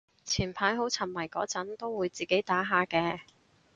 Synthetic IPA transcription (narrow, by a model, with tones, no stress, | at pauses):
t͡sʰiː˨˩npʰaː˨˥jɦo˨˥wt͡sʰɐ˨˩nmɐ˨˩jkɔː˨˥t͡sɐ˨˥nt̪o˥wwuː˨˧jt͡siː˨ke˨˥jt̪aː˨˥ɦaː˨˧kɛː˧